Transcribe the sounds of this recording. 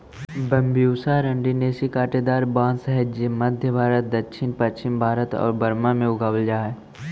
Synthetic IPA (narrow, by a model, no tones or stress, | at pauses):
bɐmbijuːsaɾə̃ɳɖineːsikaːʈed̪aːɾbaːnsɛɦəd͡ʒemɐd̪ʱjəbʱaːɾət̪̚d̪ɐkʃʰɪnpɐtːʃɪmbʱaːɾət̪ɔ̰ːɾbɐɾmamẽʊɡaːwəld͡ʒaːɦɛ